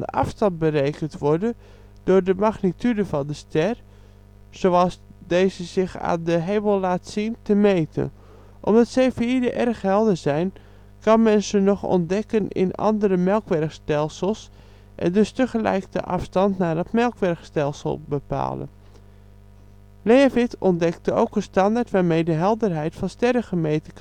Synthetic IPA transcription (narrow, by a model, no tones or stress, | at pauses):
ə̰ʔɑ̰fstɑnt̚bərejkəntʋɔɹdə | d̥ʊrdəmaɣnitʰydəvɑndəstɛr | sowɑsdeːzəzɪxa̰ːndəɦeːbəlˠlaːtsintəmeːtʰə̰n | ʔɔ̰mdɑtsejfiidəʔɛrxhɛlˠdəzɛjn | kɑnmɛnsənɔχɔ̰ndɛkənɪ̰nɑ̰ndəɾəmɛlˠkʋɛrkstɛlˠsəlˠs | ʔɛ̰ndʏstəχəlɛ̰jkdə̰ʔɑ̰fstɑntnaːdɔtmɛlˠkʋɛrxstɛlˠsə̰lˠbəpa̰ːlˠə̰n | levɪtɔndɛktəo̰wkənstɑndaːɹtʋaːɹmejdəɦɛlˠdərɦɛjtfɑnstɛrəɣəmejtək